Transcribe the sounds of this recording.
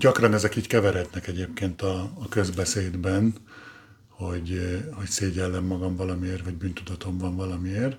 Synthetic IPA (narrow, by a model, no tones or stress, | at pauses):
ɟɒkrɒnɛzɛkiːckɛvɛɾɦɛt̪nɛkɛɟeːp̚keːnt̪ɒːkø̞zbɛseːd̪bɛn | ho̞ɟho̞cseːɟɛlːɛmːɒɡɒɱvɒlɒmieːrvɒɟbyːnt̪ud̪ɒt̪o̞ɱvɒɱvɒlɒmieːr